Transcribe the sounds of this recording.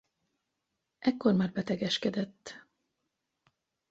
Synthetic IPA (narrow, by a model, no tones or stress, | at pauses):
ʔɛkːo̞rmaːrbɛt̪ɛɡɛʃkɛd̪ɛt̪ː